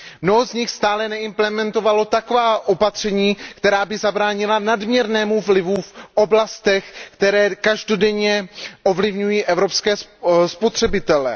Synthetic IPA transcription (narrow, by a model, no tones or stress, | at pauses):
mno̞ɦozɲɪxst̪aːlɛnɛɪmplɛmɛnt̪o̞valo̞t̪akovaːʔo̞pat̪r̝̥ɛɲiːkt̪ɛɾaːbɪzabɾaːɲɪlanadmɲɛɾnɛːmuvlɪvufʔo̞blast̪ɛxkt̪ɛɾɛːkaʒdo̞dɛɲɛʔo̞vlɪvɲujiːʔɛvɾo̞pskɛːspo̞t̪r̝̥ɛbɪt̪ɛlɛ̰